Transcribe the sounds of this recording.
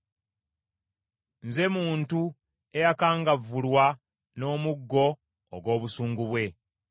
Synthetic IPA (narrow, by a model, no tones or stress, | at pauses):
nze̞muːntu | e̞jakaːŋɡavːulwa | no̞ːmuɡːo̞̰ː | ɡo̞ːβusuːŋɡuβwe̞